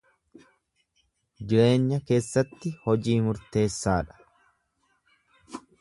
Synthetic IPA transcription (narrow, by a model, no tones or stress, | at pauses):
d͡ʒɪɾe̞ːɲːɐke̞ːsːɐt̪ːɪhɔd͡ʒiːmʊɾt̪e̞ːsːaːᶑɐ̥